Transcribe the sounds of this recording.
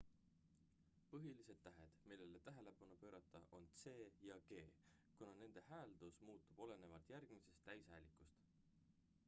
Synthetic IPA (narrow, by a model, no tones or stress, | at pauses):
pɤɦilise̞d̪̥t̪ːæɦe̞d̪̥milːe̞le̞t̪æɦele̞pɑnupø̞ːɾɑt̪ːˑɑʔo̞nt̪se̞ːjɑɡ̥e̞ː | kunɑne̞nd̪̥e̞hæːld̪̥usmuːt̪ːˑub̥o̞le̞ne̞vɑlt̪jærɡ̥mise̞st̪ːæjshæjlikˑust̪